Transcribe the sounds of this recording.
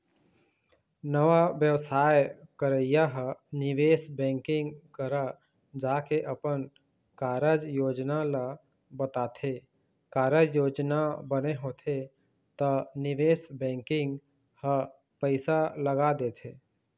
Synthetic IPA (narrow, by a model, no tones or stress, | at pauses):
nəʋaʋjəʋsaːjkəɾəjaɦənɪʋeːsbɛ̃ːŋkɪ̃ŋɡkəɾa | d͡ʒaːkeʔəpən | kaːɾəd͡ʒjoːd͡ʒnala | bət̪aːt̪ʰe | kaːɾəd͡ʒjoːd͡ʒnabəneɦoːt̪ʰe | t̪ənɪʋeːsbɛ̃ːŋkɪ̃ŋɡ | hə | pəɪsaləɡad̪eːt̪ʰeː